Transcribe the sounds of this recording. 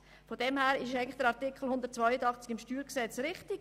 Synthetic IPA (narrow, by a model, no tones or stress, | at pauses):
fɔdɛmhæːɾɪʃɛɪɡnlɪ̥χd̥əɾɑʁtɪkχl̩hʊnd̪əɾtt͡svœʏədɑχt͡sɪ̥ɡɪmʃtyːɾksɛt͡sɾɪχtɪɡ